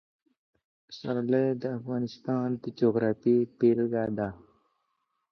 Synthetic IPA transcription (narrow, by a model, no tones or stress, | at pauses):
saɾlejd̪əːfɣɑːnɪst̪ɑːnd̪əd͡ʒoːɡɾaːfipeːlɡaːd̪aː